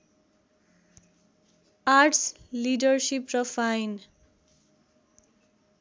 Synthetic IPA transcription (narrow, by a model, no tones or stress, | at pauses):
aɾʈʰslidʌrsiprʌpʰajn